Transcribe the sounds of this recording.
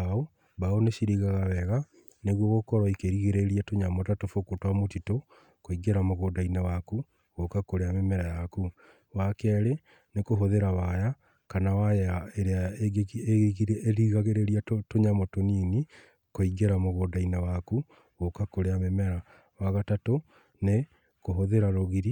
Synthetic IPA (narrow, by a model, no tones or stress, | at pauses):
ao | baoneʃiɾiɣaɣawɛɣa | neɣwɔɣokɔɾwɔikeɾiɣeɾeɾiatoɲamɔtatofokotwamotito | koiɡeɾamoɣoːdainawaku | ɣokakoɾeamemɛɾajaku | wakɛɾe | nekoɦoðeɾaβaja | kanawajaeɾeaeɡeeɣiɾeeɾiɣaɣeɾeɾiaotoɲamɔtoniːni | koiɡeɾamoɣodainawaku | ɣokakoɾeamemɛɾa | waɣatato | ne | koɦoðeɾaɾoɣiɾi